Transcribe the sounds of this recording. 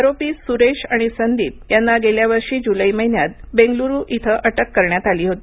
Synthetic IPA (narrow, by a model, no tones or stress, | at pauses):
aɾopiːsuɾeɕaɽ̃isənd̪iːp̚janːaɡeljaʋəɾʂiːd͡ʑuləiməɦinjat̪̚beŋɡluɾuːʔit̪ʰəʔəʈəkːəɾɳjat̪aliːɦot̪iː